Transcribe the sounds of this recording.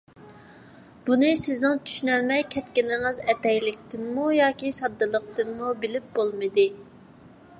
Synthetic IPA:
b̥unɨsɪznɨŋt͡ʃʰy̥ʃynɛlmɛjkʲʰɛt̪kʲinɪŋɨzɛt̪ɛjlɪkʲt̪ɪnmujɑːkʲisɑd̪ːɨlˠəqt̪ɨnmubɪlɪp̚b̥olˠmɨd̪ɨ

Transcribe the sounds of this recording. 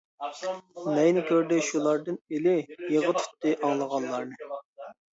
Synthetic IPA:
nɛjnɪkʲʰøɾd̪ɛʃulˠɑɾd̪ɨnelɪjeʁət̪ʰy̥t̪ːɨʔɑŋlˠəʁɑnlˠɑɾnɨ

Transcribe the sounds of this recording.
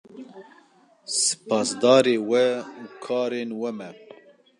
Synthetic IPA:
sɨ̥pɑːsd̪ɑːɾeːwɛukʰɑːɾenwɛmɛ

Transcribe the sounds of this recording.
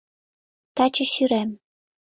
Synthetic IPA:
t̪ɑt͡ɕɤ̆ɕyɾæm

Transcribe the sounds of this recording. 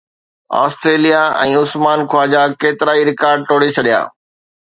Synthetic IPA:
a̰ːsʈɾeːlijaɛ̃ːʊsmaːnkʰwaːd͡ʑakeːt̪ɪɾaːiɾɪkaːɾɖ̚ʈoːɽet͡ɕʰɐɗija̰ː

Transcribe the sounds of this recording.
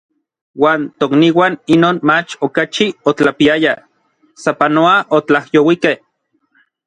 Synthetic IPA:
waːnt̪okniːwaːninoːnmat͡ʃokat͡ʃiot͡ɬapiaja | sapanoaʔot͡ɬahjowikeh

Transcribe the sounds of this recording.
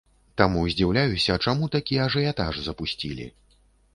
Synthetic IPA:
t̪amuzʲd͡zʲiwlʲajusʲɐt͡ʂamut̪akʲiɛɐʐɨjat̪a̰ʐzɐpusʲt͡sʲilʲḭ

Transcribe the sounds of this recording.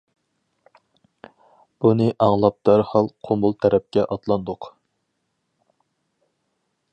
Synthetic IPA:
b̥unɨʔɑŋlˠɑp̚d̪̥æɾhɑlˠqʰombulˠt̪ʰɛɾɛp̚kʲɛʔɑt̪lˠɑnd̪ʊq

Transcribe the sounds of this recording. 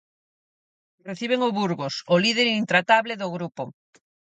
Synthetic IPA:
reθiβ̞eŋoβuɾɣosʊlið̞eɾint̪ɾat̪aβleðʊɣɾupo

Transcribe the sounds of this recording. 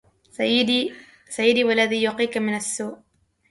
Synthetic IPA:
jː | sajːɪd̪iːwalːaðiːjuːqiːkamɪnasːuːʔ

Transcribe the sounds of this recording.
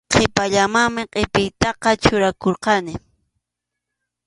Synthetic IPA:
qʰepaʎamaŋmɪqʼepɪjt̪ɑqɑt͡ʃʊɾakoɾqɑnɪ

